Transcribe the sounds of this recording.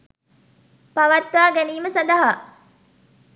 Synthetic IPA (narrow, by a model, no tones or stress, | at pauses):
paʋɐt̪ʋaːɡæniːməsand̪ɐɦa